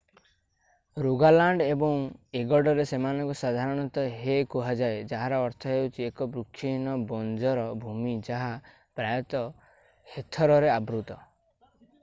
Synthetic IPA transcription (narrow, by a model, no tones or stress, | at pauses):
ɾuɡalaɳɖebɔŋeɡɔɖɔɾesemanɔŋkusad̪ʱaɾɔɽ̃ɔnt̪ɔɦekuɦad͡ʒaed͡ʒaɦaɾɔɔɾt̪ʰɔɦewt͡ʃʰiekɔbɾukʰːinɔbɔnd͡ʒɔɾɔbʱumid͡ʒaɦa | pɾajɔt̪ɔ | het̪ʰɔɾɔɾeabɾut̪ɔ